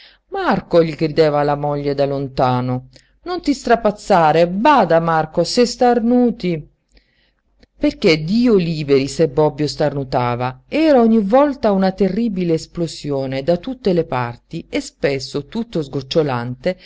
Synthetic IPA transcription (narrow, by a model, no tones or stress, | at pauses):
markoʎiɡɾid̪ɛːvalamɔʎːed̪alont̪aːno | nont̪ist̪ɾapat̪sːaːɾebaːd̪amarkosest̪arnuːt̪i | perk̟ed̪iːoliːbeɾisebːɔbːjost̪arnut̪aːvaɛːɾaɔɲːivɔlt̪aunat̪erːiːbileːsplosjɔːned̪at̪ut̪ːelepa̰rt̪iespesːot̪ut̪ːozɡot͡ʃːolant̪e